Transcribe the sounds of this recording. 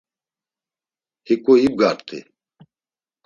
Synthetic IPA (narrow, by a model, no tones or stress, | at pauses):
hikʼoib̚ɡaːɾt̪ʰḭ